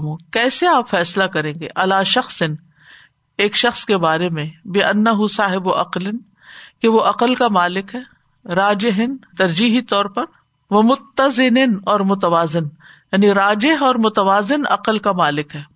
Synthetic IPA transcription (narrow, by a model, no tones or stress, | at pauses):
mõkɛːseaːpfɛːslakɐɾẽːŋɡḛʔɐlaːʃɐxsɪn | eːkʃɐxskebaːɾemẽbɪʔɐnːɐɦʊsaːɦɪbʊʔɐqlɪn | keʋoʔɐqəlkamaːlɪkɦɛː | ɾaːd͡ʒɪɦɪnt̪ɐɾd͡ʒiːɦit̪ɔːɾpɐɾ | ʋɐmʊt̪ːɐzɪnɪnɔːɾmʊt̪ɐʋaːzɪnjaːniɾaːd͡ʒɪɦɔːɾmʊt̪ɐʋaːzɪnɐ̰qəlkamaːlɪkɦɛː